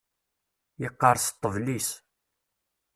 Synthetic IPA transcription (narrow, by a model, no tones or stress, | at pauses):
jəqːəɾˤst̪ˤːəvlis